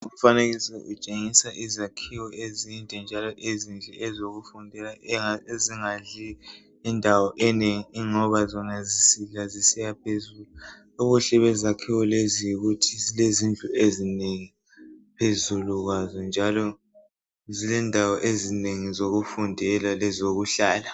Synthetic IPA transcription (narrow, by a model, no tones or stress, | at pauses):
uufaneɣisɛʔut͡ʃʼeŋisaʔizakʰiwɔezindʱʼɛnd͡ʒʱalɔʔezind͡ɮʱɛɛzoɣufundʱɛlaaeziŋaɮiː | ndʱawɔʔɛneŋiːŋɔβazɔnazisiɮazisɛjapʰezulu | uɣuɬɛβɛzakʰiwɔlezijiɣutʰizilezind͡ɮʱʼuezineŋi | pʰezuluɣwazɔnd͡ʒʱalɔ | zilɛndʱawɔʔezineŋizoɣufundʱɛlalɛzoɣuɬaːla